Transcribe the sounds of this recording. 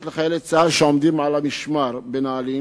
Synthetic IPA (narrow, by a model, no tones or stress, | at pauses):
t̪leχajelet͡saʃeomd̪imʕalamiʃmaʁbenaʕali